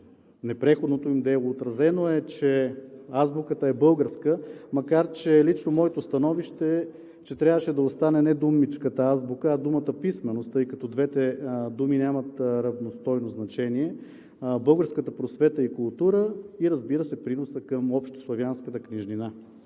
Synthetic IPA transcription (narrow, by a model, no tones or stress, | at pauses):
nɛpɾɛxod̪not̪oimd̪ɛlˠoːt̪ɾɐzɛnoɛt͡ʃɛazbukət̪əɛbɤlˠɡəɾskəmɐkaɾt͡ʃɛlit͡ʃnomɔɛt̪ost̪ɐnɔviʃt̪ɛ | t͡ʃɛt̪ɾʲjavəʃɛd̪ɐost̪anɛnɛd̪umit͡ʃkət̪əazbukəɐd̪umət̪əpismɛnost̪əjkɐt̪ɔd̪vɛt̪ɛd̪uminʲjamɐt̪ɾɐvnost̪ɔjnoznɐt͡ʃɛniɛ | bɤlˠɡəɾskət̪əpɾosvɛt̪əikʊlˠt̪uɾəiɾɐzbiɾəsɛpɾinosəkəmɔpʃt̪o̥slˠɐvjanskət̪əkniʒnina